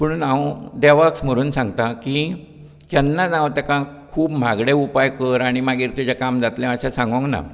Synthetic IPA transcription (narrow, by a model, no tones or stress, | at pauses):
məɽ̃unãwd̪aʋaksm̤əɾuːnsãŋɡt̪aki | d͡ʑɛnːad͡zãwt̪jakãkʰuːpm̤aɡɽeupajkəɾaɽ̃imaɡiːɾt̪jut͡ɕakamd͡zat̪lẽəɕasãŋɡə̃ŋkna̰